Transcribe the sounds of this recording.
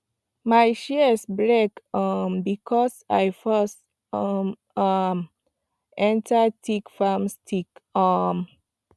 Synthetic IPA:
majʃɛsbɹɛkʌmbikʰɔsa̰jfast | m | m | ɛ̃ntətʰikfamstʰikʌm

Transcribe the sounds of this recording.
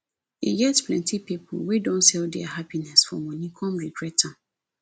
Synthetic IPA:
ḭɡɛtpʰlɛ̃ntʰipipʰʊ̰wedɔ̃ntsɛldɛahapinɛsfɔ̰mɔ̃nĩkʰɔ̃mɹiɡɹɛtʰːã

